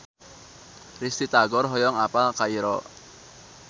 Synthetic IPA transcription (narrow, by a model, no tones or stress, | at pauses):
rist̪it̪aɡɔrɦɔjɔŋapalkaiɾɔ